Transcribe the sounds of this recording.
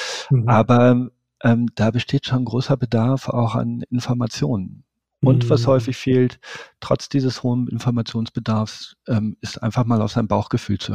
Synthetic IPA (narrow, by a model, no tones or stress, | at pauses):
ʔaːbɐ | ʔɛːmd̥aːbəʃtʰeːtʃonɡʁoːsɐbədaɐfa̰ʊxa̰nɪnfɔɐmat͡sjoːnən | ʔʊntv̥ashɔʏfɪçfeːlttʁ̥ɔ̰t͡sd̥iːzəshoːənʔɪ̰nfɔɐmat͡sjoːnsb̥ədaɐfsʔɛːmɪstʔa̰ɪnfaχmaːlaʊz̥aɪəmbaʊxɡ̥əfyːlt͡su